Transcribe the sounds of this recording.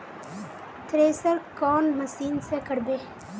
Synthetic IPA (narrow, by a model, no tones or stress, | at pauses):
t̪ɾeːsəɾkɔːnmɐsiːnsekəɽbeː